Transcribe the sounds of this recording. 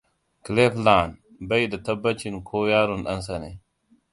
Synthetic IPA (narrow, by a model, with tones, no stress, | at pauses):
kle˦flaː˨n | bɐ˦jdɐ˨t̪ɐ˦bːɐ˦t͡ʃi˨nkʰo˦jaː˦ɾu˨nɗɐ̰˦ns̬ɐ˨ne˨